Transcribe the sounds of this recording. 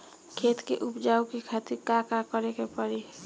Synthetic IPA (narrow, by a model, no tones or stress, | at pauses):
kʰeːt̪keʔʊpd͡ʒaːukikʰat̪iɾkakakəɾekepəɾi